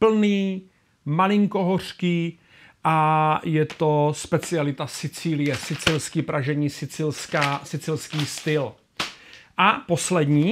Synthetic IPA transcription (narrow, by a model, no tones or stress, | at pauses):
pl̩niː | malɪŋko̞ɦor̝̥kiː | ʔajɛt̪o̞spɛt͡sɪalɪt̪asɪt͡siːlɪjɛsɪt͡sɪlskiːpɾʔaʒɛɲiːsɪt͡sɪlskaːsɪt͡sɪlskiːst̪ɪl | ʔapo̞slɛd̪ɲiː